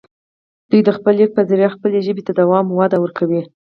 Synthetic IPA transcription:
d̪̥ujd̪əxpəlik̚pazɪɾjaxpəleʒəbet̪ad̪awɑmwad̪awəɾkʰawi

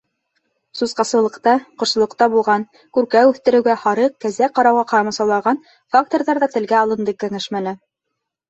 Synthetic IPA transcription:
suzqɑsɤ̆lˠɤ̆qt̪ɑqŏɾsɤ̆lˠɤ̆q̚t̪ɑbulˠʁɑn | kʉɾkæʉθt̪ɘ̆ɾɘ̆wɡæhɑɾɤq̚kæzæqɑɾɑwʁɑqɑɾɑmɑsɑwlˠɑʁɑn | fakt̪oɾðɑɾðɑt̪ɘ̆lɡæɑlˠɤ̆nd̪ɤkæŋæʃmænɘ

